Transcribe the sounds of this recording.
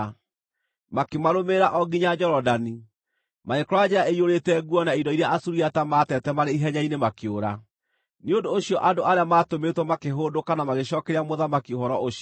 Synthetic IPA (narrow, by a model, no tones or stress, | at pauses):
makemaɾomeɾaʔɔɡiɲad͡ʒɔɾɔdani | maɣekɾwad͡ʑeɾaeioɾetɛɣwɔnaindɔiɾjaasuɾiatamatɛtɛmaɾeiɦɛɲainemakeoɾa | neondoːɕijɔʔandoʔaɾeamaːtometwɔmakeɦoːdokanamaɣeɕɔːkɛɾeamoðamakiohɔɾɔʔoɕ